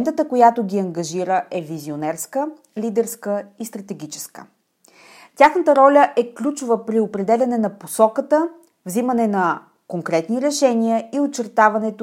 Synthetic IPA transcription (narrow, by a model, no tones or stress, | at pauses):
nt̪ət̪əkojat̪oɡʲiɐŋɡɐʒiɾəʔɛvizionɛɾskə | lʲid̪ɛɾskəist̪ɾɐt̪ɛɡʲit͡ʃɛ̥skə̥̰ | tʲaxnət̪əɾɔlʲəʔɛklʲut͡ʃovəpɾiopɾɛd̪ɛlʲɐnɛnɐposɔkət̪ə | vzimənɛnɐ | koŋkɾɛt̪niɾɛʃɛnʲiəiot͡ʃːɛɾt̪avɐnɛt̪ʊ